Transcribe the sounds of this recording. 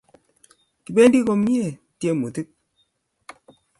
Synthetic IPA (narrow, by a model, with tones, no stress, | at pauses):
ki˨be˦n˦di˦ko˦mi˦e˦˨ | tje˦mu˨ti˦k̚